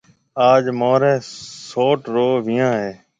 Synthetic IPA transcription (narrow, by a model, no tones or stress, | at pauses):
aːd͡ʒmoːɾẽːsoːʈɾoːʋɪjãːɦeː